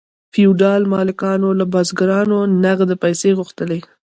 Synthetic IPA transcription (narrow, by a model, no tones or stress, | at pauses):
fiuɖɑlmɑlɪkɑnolabɑzɡaɾɑnonaɣd̪əpajseɣʊxt̪əle